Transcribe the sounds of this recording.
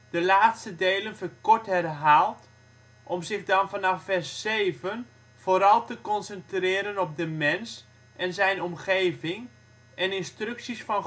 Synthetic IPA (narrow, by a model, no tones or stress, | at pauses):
d̥əlaːtstədejlənfəkɔɹthɛrɦaːlˠt | ʔɔmzɪɣdɑnfɑnɑfɛrsːeːvən | voːɾɑlˠtəkɔnsəntrɪːɾənɔp̚dəmɛns | ʔɛnzɛjnɔmχeːvɪŋ | ɛnɪnstrʏksisfɑn